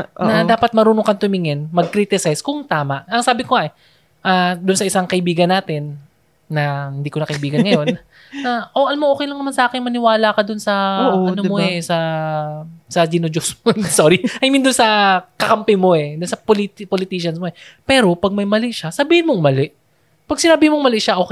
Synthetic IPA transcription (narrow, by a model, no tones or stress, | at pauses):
ʔnɐdaːpɐt̪̚mɐɾuːnokɐŋt̪ʊmɪŋɪnmɐɡ̚kɾiːt̪ɪsajskʊŋt̪aːmaʔɐŋsaːbɪkoŋaʔɛ | ʔad̪ʊnsɐʔɪsaŋkɐʔɪbiːɡɐnːaːt̪ɪnː | ɐhɪnd̪iːkonɐkɐɪbiːɡɐnnŋɐjo̞n | ɐʔoʔɐnmɐŋʔoːkɛjlɐŋnɐmansɐʔaːkɪŋmɐnɪwaːlakɐd̪ʊnsɐɐd̪omoɛsɐ | sɐd͡ʒinod͡ʒosmosoɾiʔɐjmɪnd̪ʊnsɐkɐkɐmpɛmo̞ɛd̪ʊnsɐpolit̪polɪt̪iːʃɐnsmoɛpɛːɾo̞pɐɡ̚mɐjmɐlɪʔʃasɐbiːhɪnmoŋmɐlɛʔ | pɐɡ̚sɪnaːbɪmoŋmɐlɛʔʃaʔo̞ːkɛ